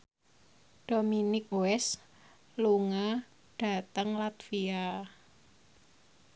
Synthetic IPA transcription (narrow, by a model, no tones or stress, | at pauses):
d̥ominɪk̚uɛs | luŋa | ɖ̥a̤t̪əŋlat̪fia